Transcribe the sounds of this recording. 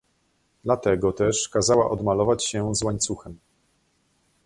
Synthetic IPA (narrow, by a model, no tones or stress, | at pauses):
d̪lat̪ɛɡɔt̪ɛʂkazawa̰ʔɔd̪malɔvat͡ɕɕɛzwaɲt̪suxɛm